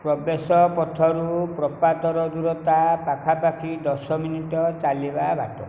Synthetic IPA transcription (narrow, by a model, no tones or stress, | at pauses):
pɾɔbesɔpɔt̪ʰɔɾupɾɔpat̪ɔɾɔd̪uɾɔt̪apakʰapakʰid̪ɔsɔminiʈɔt͡ʃalibaba̰ʈɔ